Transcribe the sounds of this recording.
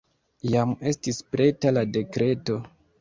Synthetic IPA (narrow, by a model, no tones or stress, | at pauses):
jame̞stispɾe̞talade̞kɾe̞to̞